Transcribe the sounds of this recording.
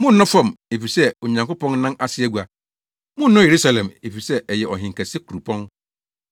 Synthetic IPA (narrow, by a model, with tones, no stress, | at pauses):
mʊ̃˦n˦nʊ̃˦fã˦˨me˨fi˨sɛ˦o˨ɲã˨ŋko˦pɔ̃˦n˦nã˦nʔa˦sɪ˦æ˨ɡu˨a˨ | mʊ̃˦n̩˦nʊ̃˦je˨ɾu˦sa˨lɛ̃˨me˨fi˨sɛ˦ʔɛ˨jɛ˨ʔɔ˨ɦɪ̃˨ŋ˨kɛ˨se˦kʰu˨ɾu˨pʰɔ̃˦n